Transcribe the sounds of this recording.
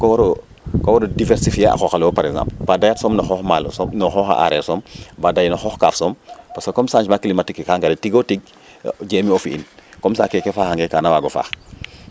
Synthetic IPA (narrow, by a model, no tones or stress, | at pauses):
kowɾo | kowoɾodiveɾsifiaa̰xoxalopaɾeɡzã̰ːmplbadajatsoːmnoxɔxmalosonoxɔxa̰ʔa̰ɾeɾsombadajnoxɔxkaːfsompasokomsand͡ʒmaklimatikkaŋɡaɾetiɡotiɡ̚ | ɟeːmiofiḭnkomsaːkekefaːhaŋɡekaːnawaɡofa̰ːx